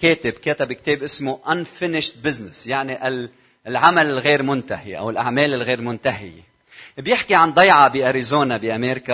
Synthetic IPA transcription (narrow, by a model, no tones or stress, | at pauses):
keːt̪ɪbkeːt̪ɪbɪk̚t̪eːbʔɪsmuʔanfɪnɪʃt̪̚bɪznɪsjaʕniʔal | lʕamalɪlɣeːɾmʊnt̪ahḭʔa̰wɪlʔaʕmeːlɪlɣeːɾmʊnt̪aɦɪ̰jḛ | bjɪħkiʕand̪ˤɑjʕɑbiʔaɾizoːnabiʔameːɾka